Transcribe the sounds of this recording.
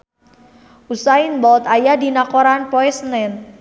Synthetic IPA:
usainbɔlt̪ajadi̤nakoɾanpɔɛsnɛn

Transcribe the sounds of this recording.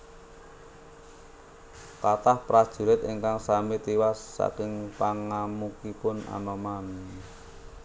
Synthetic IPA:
kat̪ahpɾad̥ʒ̥ṳɾɪt̪iŋkaŋsamit̪iwasːa̰kɪŋpaŋamukipʊna̰maman

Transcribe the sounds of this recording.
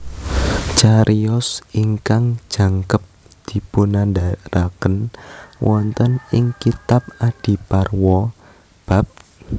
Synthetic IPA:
t͡ʃaɾiɔsiŋkaŋ̥ʒ̥a̤ŋkəp̚ | d̪̥i̤punandaɾakənwʔɔnt̪ənɪŋkit̪ap̚ad̥i̤parwɔ | b̥a̤p̚

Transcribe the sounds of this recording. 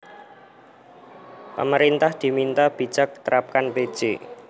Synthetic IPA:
pə̰məɾint̪ahd̪̥i̤mint̪ab̥i̤̥d͡ʒ̥a̤k̚t̪əɾap̚kanped̥ʒ̥ḛ

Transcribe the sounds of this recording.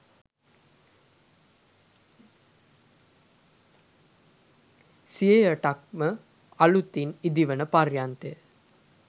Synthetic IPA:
siejəʈak̚mə | ɐlut̪ːinid̪iʋənəparjant̪e

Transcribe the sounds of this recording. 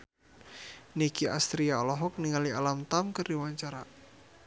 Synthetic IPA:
nikiast̪ɾiaɔlɔɦɔk̚niŋalialamt̪amkərdiwaɲt͡ʃaɾa

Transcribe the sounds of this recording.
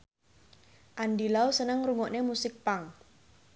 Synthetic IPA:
ʔandilausənəŋruŋɔʔnemusɪk̚paŋ

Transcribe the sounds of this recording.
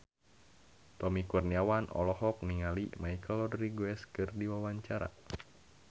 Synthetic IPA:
t̪ɔmikurniawanɔ̰lɔɦɔk̚niŋalimaikəlɔdriɡwɛskɨrdiwawaɲt͡ʃaɾa̰

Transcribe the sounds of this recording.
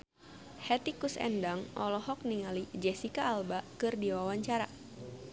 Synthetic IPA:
hɛt̪ikusɛ̰ndaŋʔɔlɔɦɔk̚niŋalid͡ʒɛsikaːlbakɨrdiwawaɲt͡ʃaɾa

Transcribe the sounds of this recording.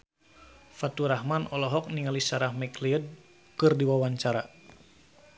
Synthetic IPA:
fat̪uɾahmanɔlɔɦɔk̚niŋalisaɾahmɛkliəd̚ | kɨrdiwawaɲt͡ʃaɾa

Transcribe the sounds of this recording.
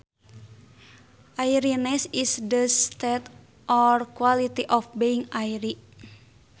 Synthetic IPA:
ʔaiɾinɛsisdəst̪ɛt̪ | ʔɔrkwalit̪iʔɔfbeiŋaiɾi

